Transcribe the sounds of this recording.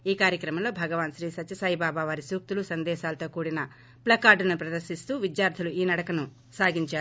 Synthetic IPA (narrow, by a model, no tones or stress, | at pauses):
iːkaːɾjɐkɾɐmɐmlo̞ːbʱɐɡɐʋaːnʃɾiːsɐtːt͡ʃɐsɐɦibaːbaːʋaːɾisuːk̚t̪ulusɐnd̪ɛːʃaːlɐt̪o̞ːkuːɽinɐ | plɐkaːɖunupɾɐd̪ɐɾʃist̪uːʋid̪jaːɾt̪ʰiluiːnɐɽɐkɐnu | saːɡiɲt͡ʃaːɾu